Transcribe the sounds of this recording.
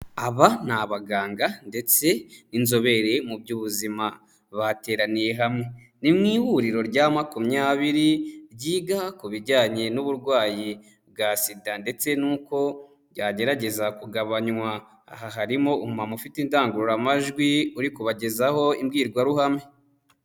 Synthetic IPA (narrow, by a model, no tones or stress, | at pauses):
aβan̥aβaɡaːŋɡande̞t͡se̞inzo̞βe̞ɾe̞mubɟuβuzima | βate̞ːɾanije̞ɦamŋe̞ | nimŋiːhuɾiɾo̞ɾɟamakumɲaːβiɾiɾɟiːɡakuβiɾɟaːɲe̞nuβuɾɡwaːji | βɡasidande̞t͡se̞nuːko̞ | ɟaːɟe̞ɾaɟe̞zakuɡaβaɲwa | a̰ɦaɦaɾimo̞umumamufitindaːŋɡuɾuɾamaʒɡwiuɾikuβaɟe̞zaho̞imɡiːɾɡwaɾuhame